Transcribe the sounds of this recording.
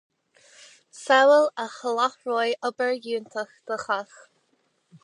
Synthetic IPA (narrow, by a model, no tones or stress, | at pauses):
sɛwələxəlaxɹoːjʔɔbəɹjuːnt̪ʰəxd̪̥əxax